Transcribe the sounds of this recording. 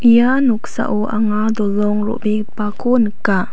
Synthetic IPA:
ʔijanuksa̰ʔuʔaŋad̪ulɔŋɾṵʔbi | pakunəka

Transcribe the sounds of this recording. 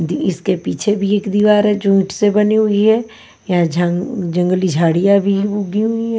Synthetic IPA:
d̪iɪskepiːt͡ʃʰebʱieːkd̪iʋaːɾɦɛd͡ʒũːʈsebɐniɦʊiɦɛː | jad͡ʒd͡ʒɐ̃ŋɡəlid͡ʒʱaːɽijabʱibuɡiɦʊiɦɛ

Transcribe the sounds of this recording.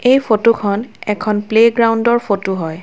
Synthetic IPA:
ejpʰotukʰɔnɛkʰɔnpleɡɹawundɔɹpʰotuɦɔj

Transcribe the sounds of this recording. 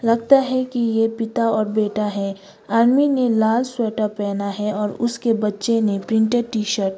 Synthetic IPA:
lɐɡt̪aɦɛkijepɪt̪aɔːɾbeːʈaɦɛː | aːɾminelaːlswɛːʈəpɛːnaɦɛɔːɾʊskebɐtːʃenẽpɾɪ̃ɳʈeɖ̚ʈiːʃəɾʈ

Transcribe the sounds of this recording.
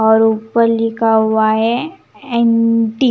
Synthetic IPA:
ɔːɾuːpəɾlɪkʰauwaɛ | ɛ̃nʈi

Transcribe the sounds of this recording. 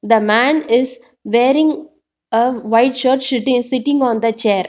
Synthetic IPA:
d̪əmæ̃ːnɪz | ʋeːɾɪ̃ŋ | əʋaɪɖʃoːɾʈʃʊʈɪ̃ŋsɪʈɪ̃ŋɡɔ̃ːnd̪ət͡ʃeːɾ

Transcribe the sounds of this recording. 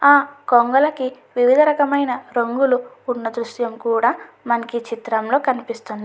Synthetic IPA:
aːkoŋɡɐlɐki | ʋiʋid̪ʱɐɾɐkɐmɐjnɐɾɐŋɡuluː | nːɐd̪ɾuʃjɐmkuːɽaː | mɐnɐkit͡ʃit̪ɾɐmlo̞ːkɐnipist̪und̪ii

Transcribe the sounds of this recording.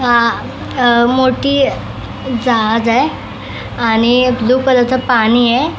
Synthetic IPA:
ɦã | moʈiː | d͡zad͡zaj | añid̪ukələt͡sʰəpañiːje

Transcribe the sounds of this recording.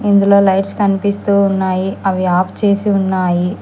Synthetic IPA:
ind̪ulo̞ːlɐjʈskɐnipist̪uːunːaːjiɐʋiaːpʰt͡ʃe̞ːsiunːaːji

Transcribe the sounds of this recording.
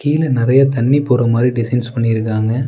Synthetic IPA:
kiːlɐnɪɾɐjɐt̪ɐɳːɪpːuːrɐmaːd̪ɾiɖɪsɐɪnspɐɳːɪɪɾɯkːaːŋɡɐ

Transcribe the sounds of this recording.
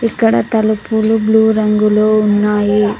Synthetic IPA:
ikːɐɽɐt̪ɐlupulubluːɾɐŋɡuloːunːaːji

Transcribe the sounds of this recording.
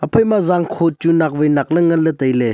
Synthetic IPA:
ɐpʰɐjmazaŋkʰot̚t͡ʃunak̚vɯjnak̚lɐŋɐlɐtɐjle

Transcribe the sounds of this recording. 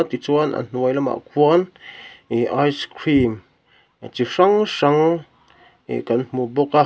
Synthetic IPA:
t̪it͡swana̰nn̥wajlama̰ʔkʷaneʔajskɾim | t͡ʃiʂaŋʃaŋ | ḛkantmõboka

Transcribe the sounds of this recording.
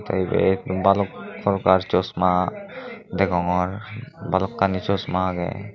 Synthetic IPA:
t̪ʰa̰jbḛbalɔkpʰɔɾɔkaɾt͡ʃɔsma | d̪ɛɡɔŋɔɾbalɔkːanit͡ʃɔsmaɡɛ̰

